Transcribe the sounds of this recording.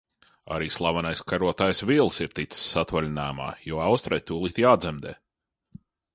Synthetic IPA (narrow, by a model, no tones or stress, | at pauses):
a̰ɾiːslˠavanajskaɾuɔt̪aːjsviːlˠsiɾt̪it̪ssːat̪valʲnæːma̰ːjuːawst̪ɾajt̪uːlˠiːt̪jaːd̪zɛmd̪ɛː